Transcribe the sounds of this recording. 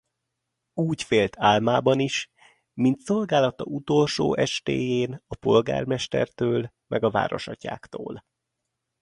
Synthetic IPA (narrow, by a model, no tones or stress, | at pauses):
uːcfeːlt̪ʰaːlmaːbɒniʃ | mint̪so̞lɡaːlɒt̪ɒ̰ut̪o̞lʃoːʔɛʃt̪eːjeːnɒpo̞lɡa̰ːrmɛʃt̪ɛ̰rt̪øːl | mɛɡɒva̰ːɾo̞̰ʃɒca̰ːkt̪o̰ːl